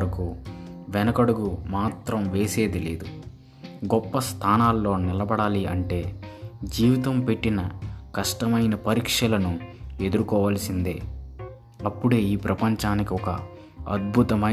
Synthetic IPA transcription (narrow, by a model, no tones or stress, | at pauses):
ɾɐkuʋɛnɐkɐɽuɡumaːt̪ɾɐmʋe̞ːse̞ːd̪ilḛːd̪u | ɡɔpːɐst̪ʰaːnaːlːo̞ːnilɐbɐɽaːliɐɳʈe̞ːd͡ʒiːʋit̪ɐmpe̞ʈːinɐkɐʂʈɐmɐjnɐpɐɾiːkʂɐlɐnue̞d̪uɾukɔːʋaːlɐsind̪ḛː | ɐpːuɽe̞ːiːpɾɐpɐɲt͡ʃaːnikiɔkɐ | ɐ̰d̪̚bʱut̪ɐmɐ